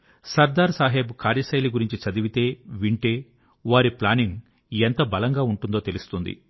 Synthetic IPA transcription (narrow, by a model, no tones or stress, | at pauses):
sɐɾd̪aːɾsaːɦeːbkaːɾjɐsɐjliɡuɾiɲt͡ʃit͡ʃɐd̪iʋit̪e̞ːʋiɳʈe̞ː | ʋaːɾiplaːniŋ | ent̪ɐbɐlɐŋɡaːuɳʈund̪o̞ːt̪e̞lust̪und̪ḭ